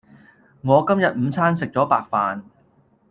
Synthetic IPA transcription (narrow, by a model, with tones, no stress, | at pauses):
ŋɔː˨˧kɐ˥mjɐ˨t̚m̩˨˧t͡sʰaː˥nsɪ˨k̚t͡ʃɔː˨˥paː˨k̚faː˨n